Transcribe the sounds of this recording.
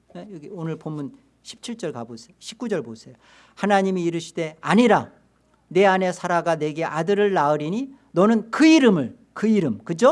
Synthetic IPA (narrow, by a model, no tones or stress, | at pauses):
ejʌɡionɯɭpomun | ɕʰi̥p̚t͡ɕʰiɭt͡ɕ͈ʌɭkabosʰejoɕʰi̥p̚k͈ud͡ʑʌɭbosʰejo | hanaɲimiːɾɯɕʰi̥d̥e̞aɲiɾa | ne̞ane̞sʰaɾaɡane̞ɡe̞ʔadɯɾɯɭːaɯɾiɲi | nʌnɯnkɯiɾɯmɯɭ | kɯiɾɯmkɯd͡ʑo